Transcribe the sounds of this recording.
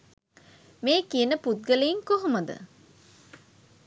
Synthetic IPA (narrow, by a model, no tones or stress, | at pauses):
meːkijənəput̪̚ɡəleiŋkoɦoməd̪ə̰